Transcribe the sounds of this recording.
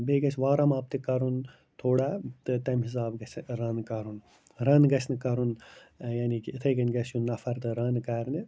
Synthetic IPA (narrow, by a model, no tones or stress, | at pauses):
beɡɐsʰʋaːɾɐmaːp̚t̪ikɐɾun | t̪ʰoːɽaːt̪ɨt̪ɐmɦis̬aːbɡɐsɾɐnkɐɾun | ɾɐnɡɐsʰnɨkɐɾunjanikːt̪ʰɐɡɐnʲɡɐsjunːɐfɐɾt̪ɨɾɐnkɐɾnɨ